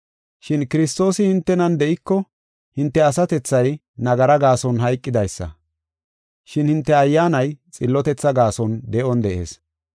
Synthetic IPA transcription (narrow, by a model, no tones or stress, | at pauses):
ʃɪnkɪɾɪst̪o̞ːsɪhɪnt̪ːɛnɐnd̪ɛʔɪkːɔ | hɪnt̪ːɛɐsɐt̪ɛt͡sːɐj | nɐɡɐɾɐɡaːsɔnɦɐjkʼːɪd̪ɐjsːɐ̰ | ʃɪnhɪnt̪ːɛɐjːaːnɐjt͡sʼɪlːɔt̪ɛt͡sːɐɡaːsɔnd̪ɛʔɔnd̪ɛʔḛːs